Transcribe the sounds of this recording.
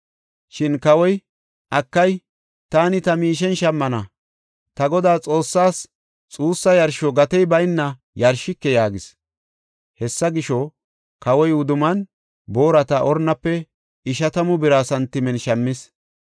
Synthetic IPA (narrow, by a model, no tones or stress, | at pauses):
ʃɪnkɐwɔj | ʔɐkːɐj | t̪aːnɪt̪ɐmiːʃ̬ɛnʃɐmːɐnɐ | t̪ɐɡɔd̪aːt͡sʼo̞ːsːaːs | t͡sʼuːsːɐjɐɾʃɔɡɐt̪ɛjbɐjnːɐ | jɐɾʃɪkːɛjaːɡɪs | hɛsːɐɡɪʃɔ | kɐwɔjʊd̪ʊmɐn | bo̞ːɾɐt̪ɐʔɔɾnːɐpːɛ | ɪʃɐt̪ɐmʊbɪɾaːsɐnt̪ɪmɛnʃɐmːɪs